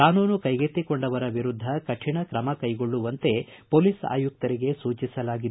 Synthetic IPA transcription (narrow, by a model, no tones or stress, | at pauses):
kaːnuːnukɐjɡet̪ːikoɳɖɐʋɐɾɐʋiɾud̪ʱːɐkɐʈʰiɳɐkɾɐmɐkɐjɡo̞ɭːuʋɐnt̪e̞poːlisa̰ːjuk̚t̪ɐɾiɡe̞suːt͡ʃisɐlaːɡid̪e